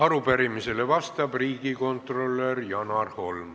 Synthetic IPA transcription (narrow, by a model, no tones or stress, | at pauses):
ɑɾupæɾimise̞le̞vɑst̪ɑb̥riːɡiko̞nt̪ro̞lːerjɑnɑrho̞lm